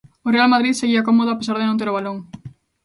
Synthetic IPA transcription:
orealmað̞ɾiðseɣiakomoð̞ʊapesaɾð̞enõnt̪eɾoβaloŋ

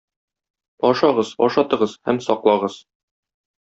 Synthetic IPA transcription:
ɒʃɑʁɤzɒ̰ʃɑt̪ɤ̆ʁɤzhæmsɒqlˠɑʁɤz̥

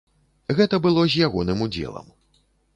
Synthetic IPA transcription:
ɣɛt̪ɐbɨlˠɔzʲjaɣɔnɨmud͡zʲɛ̰lˠɐ̰m

